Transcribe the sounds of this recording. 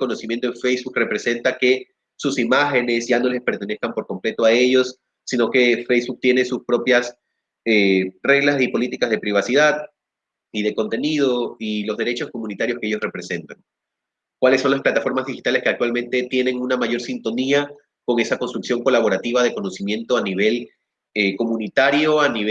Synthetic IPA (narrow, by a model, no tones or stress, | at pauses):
ko̞no̞simje̞nt̪oeɱfe̞jzβuk̚re̞pɾe̞se̞nt̪ake̞ | susimaxe̞ne̞sʝano̞le̞spe̞ɾt̪e̞ne̞skampo̞ɾko̞mple̞t̪oae̞ʝo̞sː | ino̞ke̞fejzβuk̚t̪je̞ne̞suspɾo̞pjas | ere̞ɣlasipo̞lit̪ikazðe̞pɾiβ̞asiðað | ið̞e̞ko̞nt̪e̞nið̞o̞ilo̞zð̞e̞ɾe̞t͡ʃo̞sko̞mũnit̪aɾjo̞skee̞ʝo̞srepɾe̞se̞nt̪aŋ | kwaleso̞nlasplat̪afo̞ɾmazðixit̪ale̞ske̞ak̚t̪walmẽ̞nt̪e̞t̪je̞ne̞ŋunamaʝo̞ɾsint̪o̞nia | ko̞ŋe̞sako̞nst̪ɾuksjo̞ŋko̞laβ̞o̞ɾat̪iβað̞e̞ko̞no̞simje̞nt̪o̞aniβ̞e̞l | eko̞mũnit̪aɾjo̞ani